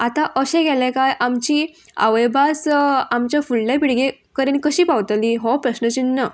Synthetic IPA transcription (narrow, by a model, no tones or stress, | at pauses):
at̪ãʔəɕɛ̃ɡɛlẽkajʔamt͡ɕiː | a̰ʋəjbʱasamt͡ɕjafullapiɽɡekəɾenkəɕiːpaʋt̪aliːɦɔpɾəɕnət͡ɕinːə